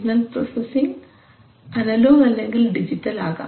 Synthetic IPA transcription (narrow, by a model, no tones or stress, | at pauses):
nɐnpro̰sɐsiŋ | ɐnɐloːɣɐlːeŋɡilɖid͡ʑiʈːɐlaːɣa̰ː